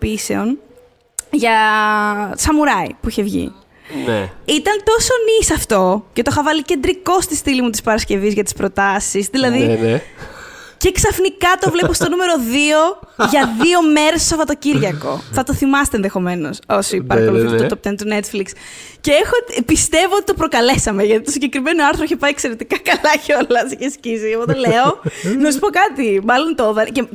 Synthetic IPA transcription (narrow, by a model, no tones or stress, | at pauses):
pise̞on | ʝɐ | sɐmuɾɐḭpuiçe̞vʝḭ | nit̪ɐnt̪o̞so̞nisɐft̪o̞ce̞t̪oxɐvɐlice̞nd̪ɾiko̞st̪ist̪ilimut̪i̥spɐɾɐsce̞vizʝɐt̪i̥spɾo̞t̪ɐsisðilɐði | ce̞ksɐfnikɐt̪o̞vle̞post̪o̞nume̞ɾo̞ðio̞ʝɐðio̞me̞ɾesːofɐt̪o̞ciɾʝɐko̞̰θɐt̪o̞θimɐst̪enðexo̞me̞no̞so̞siipɐolit̪ot̪op̚t̪ent̪une̞t̪fliks | ceexot̪pist̪e̞voot̪it̪opɾo̞kɐle̞sɐmeʝɐt̪it̪osiɲɟe̞kɾime̞noɐɾθɾoeçepɐjiekse̞ɾe̞t̪ikɐkɐlɐçeolɐsicescisiɐfot̪oleo̞nɐs̬upo̞kɐt̪imɐlo̞nt̪oðɐce